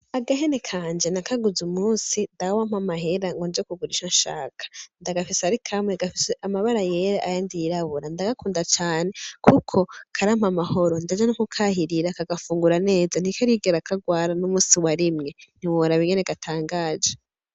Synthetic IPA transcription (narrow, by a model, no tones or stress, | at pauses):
aɡahene̞kʰaːnd͡ʒenakaɡuzumuːnsindawam̥amaɦe̞ɾaŋɡond͡ʒekuɡuɾiʃonʃa̰ːkʰḁndaɡafisaɾikʰamweɡafiseʔamaβaɾajeɾeʔajandijːɾaβuɾandaɡakuːndat͡ʃaːne̞kʰukʰo̞kʰaɾam̥amaho̞ɾo̞ndad͡ʒanukukʰahiɾiɾakaɡafuːŋɡuɾane̞ːzan̥ikaɾiɡeɾakʰaɡwaːɾanumuːsiwaɾimŋe̞n̥iwoɾaβiɡeneɡatʰaːŋɡaːd͡ʒe